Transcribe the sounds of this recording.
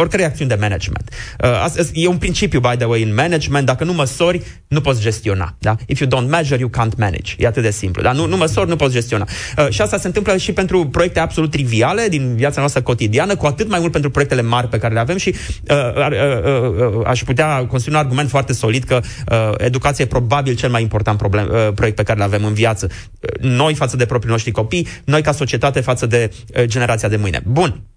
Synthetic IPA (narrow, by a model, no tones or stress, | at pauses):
orkəɾejakt̪siunʲd̪e̞menḛd͡ʒmḛnt̪əa̰səsjeunpɾint͡ʃipjubajd̪əwejɨnmened͡ʒment̪̚d̪akənuməso̞rʲ | nupo̞t̪sd͡ʒe̞st̪io̞na̰d̪aifjud̪õnt̪meʒəɾjukant̪mɛ̰nḭd͡ʒjeat̪ɨt̪̚d̪esḭmplṵd̪anunuməso̞rʲnupo̞t̪sd͡ʒe̞st̪io̞na̰əʃiast̪asent̪ɨmpləʃipe̞nt̪ɾupɾo̞jekt̪eabsolut̪ːɾiviale̞d̪inviat̪sanoast̪ɾəko̞t̪id̪ianəkuat̪ɨt̪majmult̪pet̪ɾupɾoek̚t̪e̞le̞marʲpe̞kaɾe̞le̞ave̞mʃiəə | a̰ʃput̪eakonsɾunarɡume̞nt̪foart̪e̞so̞lid̪kə | əḛd̪ukat̪siejepɾo̞babilt͡ʃe̞lmajimpo̞rt̪ant̪pɾoblepɾoek̚t̪pe̞kaɾe̞leave̞mɨnvjat̪sə | no̞jfat̪səd̪epɾopɾino̞ʃt̪ɾiko̞pijno̞jkaso̞t͡ʃie̞t̪at̪e̞fat̪səd̪e̞ | d͡ʒe̞ne̞ɾat̪siad̪e̞mɨjnḛbun